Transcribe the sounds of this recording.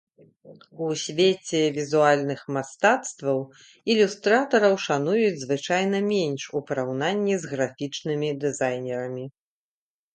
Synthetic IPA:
usʲvʲet͡sʲɛvʲizualʲnɨxmast̪at̪st̪vɐw | ilʲust̪ɾat̪ɐɾɐwʂanujud͡zʲzvɨt͡ʂajn̪ɐmʲɛnʲʂupɐɾawnanʲːizɣɾafʲit͡ʂnɨmʲid̪ɨzajnʲɛɾɐmʲi

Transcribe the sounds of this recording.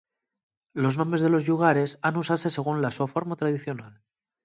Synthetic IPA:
lo̞znombɾe̞zðe̞lo̞zʎuɣ̞aɾe̞sanusaðse̞se̞ɣ̞unlaswafoɾmat̪ɾað̞iθjo̞nal

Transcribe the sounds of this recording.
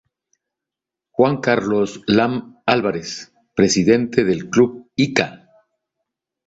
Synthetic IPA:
xwaŋkaɾloslamalβaɾes | pɾe̞siðe̞nt̪eðe̞lkluβika

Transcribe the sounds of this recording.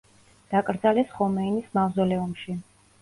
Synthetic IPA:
d̪̥akʼɾd̪zalɛsχɔmɛinismavzɔlɛumʃi

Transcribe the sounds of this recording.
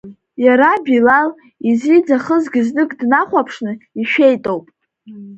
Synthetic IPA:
jaɾabilal | izid͡zaχəzɡʲiznɨkʼdnaχʷapʰʂnɨiʃᶣe̞jtʼowpʼ

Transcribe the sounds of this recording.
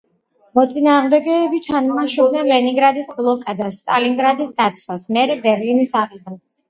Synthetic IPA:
mɔt̪sʼinaːʁmd̪ɛɡɛːbit̪ʰanmaʃɔlˠnɛnlɛniŋɡɾad̪isblˠɔkʼad̪asːt̪ʼaliŋɡɾad̪isd̪at̪sʰwasmɛɾɛbɛɾlinisaʁid̪as

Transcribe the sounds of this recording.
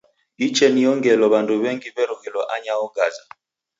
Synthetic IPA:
it͡ʃɛnijɔŋɡɛlɔβanduβɛŋɡibɛɾɔɣɛlɔʔaɲaɔɡaza

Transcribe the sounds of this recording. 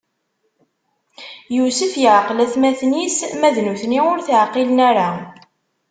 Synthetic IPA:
jusəfjəʕqlæθmæθnismæðnuθniʊɾθəʕqilənæɾa

